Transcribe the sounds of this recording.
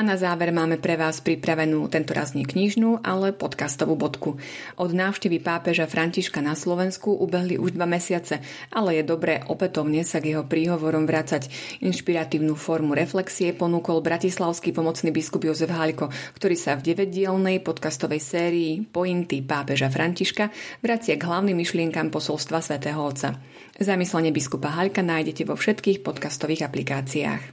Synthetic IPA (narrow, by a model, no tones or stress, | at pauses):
anazaːʋɛɾmaːmɛpɾɛʋaːspɾipɾaʋɛnuːt̪ɛnt̪ɔɾa̰zɲɛkɲiʒnuːʔalɛpɔt̪kast̪ɔʋuːbɔt̪ku | ʔɔd̪naːʊʃcɛʋipaːpɛʒafɾʔaɲciʃkanaslɔʋɛnskuʔubɛɦliʔuʒd̪ʋamɛsɪat͡sɛ | ʔalɛjɛd̪ɔbɾɛːʔɔpɛt̪ɔʊɲɛsaɡjɛɦɔpɾiːɦɔʋɔɾɔmʋɾat͡saɟ | inʃpiɾat̪iːʊnuːfɔɾmuɾɛflɛksiɛpɔnuːkɔlbɾacislaʊskipɔmɔt͡sniːbiskubjɔzɛvɦaʎkɔkt̪ɔɾiːsavɟɛʋɛɟ̚ɪɛlnɛjpɔt̪kast̪ɔʋɛjsɛːɾiːpɔjint̪ipaːpɛʒafɾʔaɲciʃkaʋɾat͡sɪaɡɦlaʊnimːiʃlɪɛŋkampɔsɔlst̪ʋasʋɛt̪ɛːɦɔɔt̪t͡sːa | zamislɛɲɛbiskupaɦaʎkanaːjɟɛcɛʋɔfʃɛt̪kiːxpɔt̪kast̪ɔʋiːɣaplikaːt͡sia̰ːx